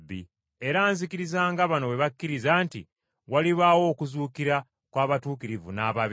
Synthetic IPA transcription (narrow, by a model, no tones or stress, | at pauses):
bːḭ | e̞ɾaːnzikiɾizaːŋɡaβano̞βe̞βakːiɾizaːntḭ | waliβawo̞ːkuzuːkiɾa | kwaːβatuːkiɾivṵnaβaβ